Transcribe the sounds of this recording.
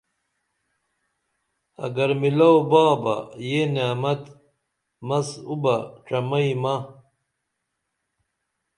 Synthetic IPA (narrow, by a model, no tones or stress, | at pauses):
ɐ̰ɡɐɾmilɐwbaːbɐ̰jeneːmɐt̪ | mɐsubɐʈ͡ʂɐmɐimɐ